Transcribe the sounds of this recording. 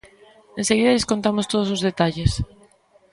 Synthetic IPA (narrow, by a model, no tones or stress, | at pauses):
ẽnseɣiðɐʎeskont̪amʊst̪oð̞ʊsozðet̪aʎes